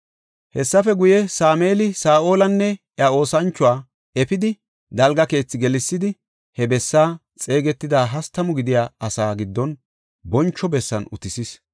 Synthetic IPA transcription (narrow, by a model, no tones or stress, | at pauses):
hɛsːɐfɛɡʊjɛsaːmeːlɪsaːʔo̞ːlɐnːɛʔɪao̞ːsɐnt͡ʃːʊwaː | ɛpɪd̪ɪ | d̪ɐlɡɐke̞ːt͡sːɪɡɛlɪsːɪd̪ɪ | hɛbɛsːaː | t͡sʼe̞ːɡɛt̪ːɪd̪aːɦɐst̪ːɐmʊɡɪd̪ɪjaːɐsaːɡɪd̪ːɔn | bɔnt͡ʃːɔbɛsːɐ̰nʊ̰t̪ɪsɪs